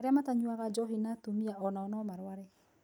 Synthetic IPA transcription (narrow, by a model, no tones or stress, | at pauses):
ɾeamataɲuaɣad͡ʒɔɦinatumiaʔɔnaɔnɔmaɾwaɾɛ